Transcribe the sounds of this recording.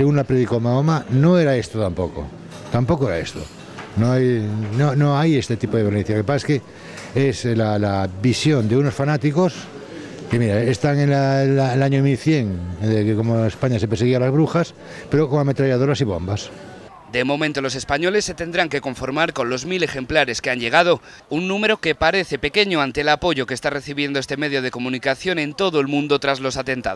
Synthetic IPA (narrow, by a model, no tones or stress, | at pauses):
seɣunlapɾeðikomaomanoeɾaest̪ot̪ampoko̰ | t̪ampo̞koeɾa̰est̪o̰ | noajnonoajest̪et̪ipoðeeɾneθjakepaseske | eslalaβisjond̪eunosfanat̪ikos | kemiɾaest̪aŋenalalaɲomilθjeŋd̪ekkomoespaɲasepeɾseɣ̞ialazβɾuxas | peɾokoŋamet̪ɾaʎað̞oɾasiβo̞̰mbas | d̪e̞mo̞mẽnt̪o̞lo̞se̞spaɲo̞lesːe̞t̪e̞nd̪ɾaŋke̞ko̞ɱfo̞ɾmaɾko̞nlo̞zmile̞xe̞mplaɾe̞skeaɲʎe̞ɣ̞að̞o̞ | unːũme̞ɾo̞ke̞paɾe̞θe̞pe̞ke̞ɲoant̪elapo̞ʝo̞kest̪are̞θiβje̞nd̪oest̪e̞me̞ðjo̞ð̞e̞ko̞mũnikaθjo̞nẽ̞nt̪o̞ðoelmũnd̪o̞t̪ɾazlo̞sat̪e̞nt̪a̰